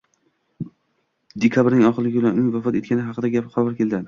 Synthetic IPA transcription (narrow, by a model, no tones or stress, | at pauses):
d̪ekʰʲabɾnɪŋɒχɨɪɾlɪɡʲlanʊnɪŋvafɒt̪e̞t̪kʲanɪɦɑqɨd̪aɡʲapqʰɒvaɾkʲʰe̞ld̪ɪn